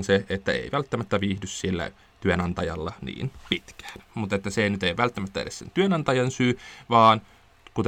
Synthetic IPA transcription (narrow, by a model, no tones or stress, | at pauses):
nseet̪ːæḛiʋælt̪ːæmæt̪ːæʋiːhdyssielːæ̰ | t̪yønɑnt̪ɑjɑ̰lːɑnḭːnpit̪kæ̥ːnmut̪et̪ːæsenyt̪eiʋælt̪ːæmæt̪ːæḛlessḛnt̪yønɑnt̪ɑjɑnsyːʋɑːn | kut̪